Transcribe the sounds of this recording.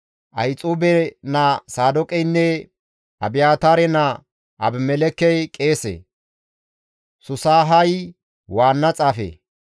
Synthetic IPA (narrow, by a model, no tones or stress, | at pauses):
ʔɐjt͡sʼuːbɛnɐsaːd̪ɔkʼɛjnːɛ | ɐbɪjaːt̪aːɾɛnɐ | ʔɐ̰bmɛlɛkːɛjkʼe̞ːsḛ | sʊsaːɦɐj | waːnːɐt͡sʼaːfḛ